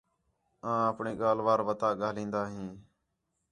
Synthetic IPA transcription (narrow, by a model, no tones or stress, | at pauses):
ãːəpɳiːɠaːlʋaːɾʋət̪aːɠaːlĩːnd̪aːɦĩː